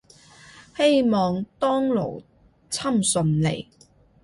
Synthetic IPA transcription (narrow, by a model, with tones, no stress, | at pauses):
he˥jmɔː˨ŋt̪ɔː˥ŋlo̰˨˩w | t͡sʰɐ˥msɵ˧nlḛ˨˩j